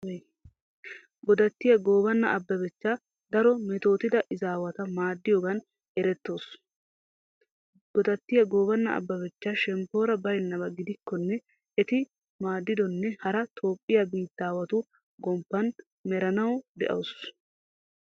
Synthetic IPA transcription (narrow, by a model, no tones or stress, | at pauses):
ɡɔd̪ɐt̪ːɪjɐɡoːbɐnːɐ̰ʔɐbːɐbɛt͡ʃːaː | d̪ɐɾɔmɛt̪o̞ːt̪ɪd̪ɐʔɪzaːwɐt̪ɐmaːd̪ːɪjoːɡɐn | ɛɾɛt̪ːo̞ːs | ɡɔd̪ɐt̪ːɪjɐɡo̞ːbɐnːɐɐ̰bːɐbɛt͡ʃːaʃɛmpːo̞ːɾɐbɐjnːɐbɐɡɪd̪ɪkːɔnːɛ | ɛt̪ɪ | maːd̪ːɪd̪ɔnːɛhɐɾɐt̪ʰo̞ːpʼːɪjabiːt̪ːaːwɐt̪ʊ | ɡɔmpːɐn | mɛɾɐnɐwd̪ɛʔɐ̰ws